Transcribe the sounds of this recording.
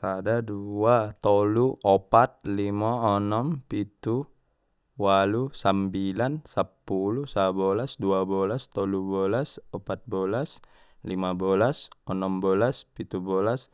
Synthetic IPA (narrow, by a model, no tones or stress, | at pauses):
sadaduat̪ɔluɔpat̪̚limaɔnɔmpit̪u | walusambilansapːulusabolasduabolast̪ɔlubolasɔpat̪̚bolas | limabolasɔnɔmbɔlaspit̪ubolas